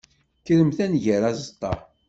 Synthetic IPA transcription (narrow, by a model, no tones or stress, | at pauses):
kɾəmθænʝəɾæzət̪ˤːɑ